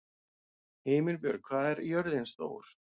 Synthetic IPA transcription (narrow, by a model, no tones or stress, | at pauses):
heːmɪlpjœ̰ɾkʰvaːðɛɾjœɾðɪnst̪o̰ːwɾ̥